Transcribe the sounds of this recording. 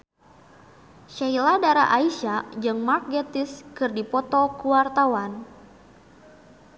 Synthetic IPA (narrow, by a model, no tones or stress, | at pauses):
ʃailadaɾa̰ʔaiʃad͡ʒɨŋmak̚ɡɛt̪iskɨrdipɔt̪ɔkuwart̪awan